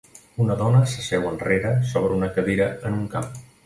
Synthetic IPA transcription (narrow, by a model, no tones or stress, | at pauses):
unəðɔnəsəsɛwənreɾəsɔβ̞ɾəunəkəβiɾəənuŋkam